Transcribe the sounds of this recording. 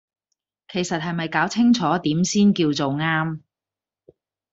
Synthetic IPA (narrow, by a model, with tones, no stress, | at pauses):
kʰe˨˩jsɐ˨t̚ɦɐ˨jmɐ˨jkaː˨˥wt͡sʰɪ˥ŋt͡sʰɔː˨˥t̪iː˨˥msiː˥nkiː˧wt͡so˨wŋaː˥m